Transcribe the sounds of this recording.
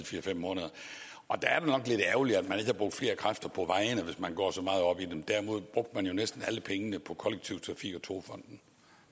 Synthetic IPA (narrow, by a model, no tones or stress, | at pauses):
fiːɐfemmɔ̽ːnəðˠɐ | ʔɒ̽d̥ææɐd̥enɒ̽ɡ̥le̝d̥æʊliæd̥mæne̝ɡ̥əhɑb̥ʁo̽ɡ̚d̥fle̝ːɐkʰʁafd̥ɐpʰɒ̽ʋɑ̈ɪnəʋe̝smænɡ̥ɒ̰ːsɒ̽mɑ̈ːð̞̩ˠɒ̽b̥id̥emd̥æɐimo̝ð̞̰ˠb̥ʁɔ̽ɡ̥̚d̥əmænjo̝nesd̥n̩æləpʰeŋənəpʰɒ̽kʰɒ̽leɡ̥̚t͡sʰiʊt͡sʰʁɑ̈fḭɡ̥ɒ̽t͡sʰo̝ːfɒ̽n̰d̥n̩